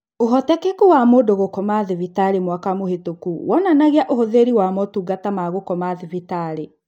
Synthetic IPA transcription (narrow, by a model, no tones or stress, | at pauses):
oɦɔtɛkekuwamoːdoɣokɔmaðivitaɾemwakamohetokuwʔɔnanaɣeaʔohoðeɾiwamɔtuːɡatamaɣokɔmaðivitaɾe